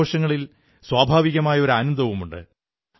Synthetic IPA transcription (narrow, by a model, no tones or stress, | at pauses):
oːʂɐŋːɐɭil | swaːbʱaːʋiɣɐmaːjɐo̞ɾaːnund̪ʱɐʋumuɳɖɨ̰